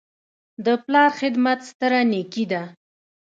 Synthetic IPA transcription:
d̪əplɑɾxɪd̪mat̪st̪əɾanekid̪a

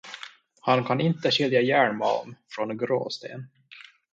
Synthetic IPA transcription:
hankʰanɪnt̪əɕʏljajæːɳmaɔ̰mfɾɔnɡɾo̰ːst̪ḛːn

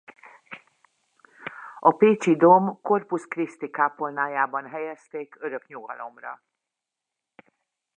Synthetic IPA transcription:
ɒpeːt͡ʃid̪omko̞rpuskrist̪ikaːpo̞lnaːjaːbɒnɦɛjɛst̪eːkøɾø̞kɲuɡɒ̰lo̞mrɒ̰

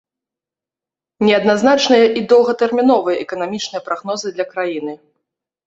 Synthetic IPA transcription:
nʲɛɐd̪naznat͡ʂnɨjɐʔid̪ɔlˠɣɐt̪ɛrmʲinɔvɨjɐʔɛkɐnamʲit͡ʂnɨjɐpɾaɣnɔzɨd̪lʲɐkɾajin̪ɨ

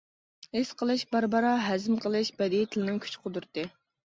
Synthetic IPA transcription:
esqʰəlˠɨʃbɑɾbɑɾɑɦɛzɪmqʰəlˠɨʃbɛd̪it̪ʰɪlɪnɪŋkʲʰy̥t͡ʃqʰʊd̪uɾt̪ɨ

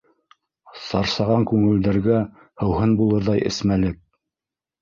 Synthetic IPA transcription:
sɑɾsɑʁɑŋkʉŋɘ̆ld̪æɾɡæ | hɤ̆wɦɤnbulˠɤɾðɑjʔɘ̰̆smælɘk̚

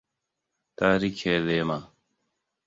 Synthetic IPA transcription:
t̪aːɾiːkʰeːleːmaː

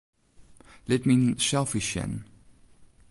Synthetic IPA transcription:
lɛt̚mĩnsɛlˠfɪʃɛ̰̃n

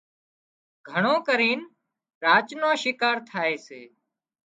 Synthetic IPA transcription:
ɡʱəɳõːkəɾiːn | ɾaːt͡ʃnãːʃɪkaːɾt̪ʰaːeːseː

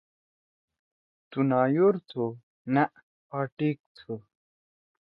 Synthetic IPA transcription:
t̪unaːjoɾt̪ʰo | naʔ | paːʈik̚t̪ʰu

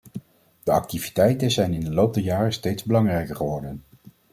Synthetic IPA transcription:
d̥əɑ̰k̚tivitɛjtənzɛjnɪndəlowp̚dɛɹjaːrəstejdzbəlɑŋrɛjkəɹχəʋɔɹdən

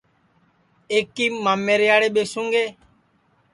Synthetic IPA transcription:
eːkːiːmaːmːeːɾjaːɽeːɓeːsũːŋɡeː

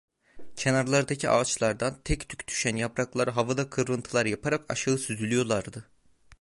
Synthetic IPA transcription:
cʰe̞naɾlˠaɾd̪acʰia̰ːt͡ʃlˠaɾd̪ant̪ʰɛct̪ʰy̥ct̪ʰy̥ʃænjapɾaklˠaɾɯɦavɯd̪akʰɯɾɾɯnt̪ʰɯlˠaɾjapʰaɾaka̰ʃaɯsyzylʲyjo̞lˠaɾd̪ɯ

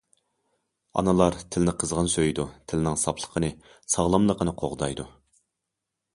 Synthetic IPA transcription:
ɑ̰nɨlˠɑɾt̪ʰɪlɪnɪqʰəzʁənsøjd̪ut̪ʰɪlɪnɪŋsɑpʰlˠə̥qʰənɨ | sɑʁlˠɑmlˠəqənɨqʰoʁd̪ɑjd̪u

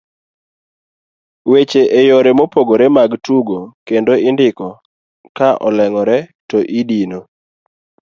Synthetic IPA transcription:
wet͡ʃeʔejɔɾɛmopoɡoɾɛmaɡtuɡokendoɪndɪkɔ | kaʔɔ̰lɛŋɔɾɛtɔʔidino

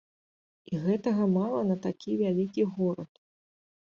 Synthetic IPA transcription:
iɣɛt̪ɐɣɐmalˠɐnɐt̪akʲʰivʲalʲikʲiɣɔɾɐt̪

